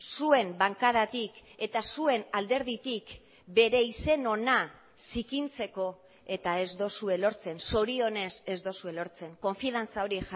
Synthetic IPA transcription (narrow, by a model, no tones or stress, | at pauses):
sue̞mbaŋkaðat̪ike̞t̪asue̞nald̪e̞ɾð̞it̪ik | be̞ɾe̞ise̞no̞na | sikint͡se̞ko̞ | e̞t̪ae̞zd̪o̞sue̞lo̞ɾt͡se̞nso̞ɾio̞ne̞se̞zd̪o̞sue̞lo̞ɾt͡se̞ŋko̞ɱfiðant͡sao̞ɾix